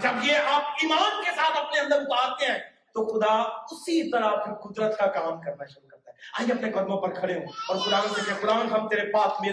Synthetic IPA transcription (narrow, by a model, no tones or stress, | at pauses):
d͡ʒɐbjeaːp̚imaːnkesaːt̪ʰɐpneɐ̃nd̪əɾʊt̪aːɾt̪eɦɛ̃ː | t̪oxʊd̪aʊsit̪ɐɾap̚kikʊd̪ɾət̪kakalaːmkɐɾnaʃʊɾukɐɾt̪aɦɛaːiɐpnekɐd̪mõpɐɾkʰɐɽeɦõɔːɾkʊɾaːnkesẽkʊɾaːnɦɐmt̪eːɾepaːtʰmẽ